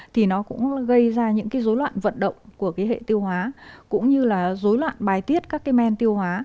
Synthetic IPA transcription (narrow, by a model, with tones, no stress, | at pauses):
t̪ʰi˨˩nɔ˨˦kʊ̰˧˥ŋ͡mɣə˧jzaː˧ɲɨ̰˧˥ŋkaː˨˦jzo˨˦jlwa̰ː˧˨nvə̰˧˨nɗə̰˧˨wŋ͡mku˧˩əkaː˨˦jɦḛ˧˨t̪i˧əwhwaː˨˦kʊ̰˧˥ŋ͡mɲɨ˧laː˨˩zo˨˦jlwa̰ː˧˨nɓaː˨˩jt̪i˦˥ət̚kaː˦˥kːaː˨˦jmɛ˧nt̪i˧əwhwaː˨˦